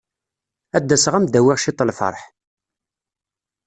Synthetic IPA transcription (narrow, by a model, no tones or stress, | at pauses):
æd̪ːæsʁæmd̪æwiʁʃit̪ˤːlfɑ̰ɾˤħ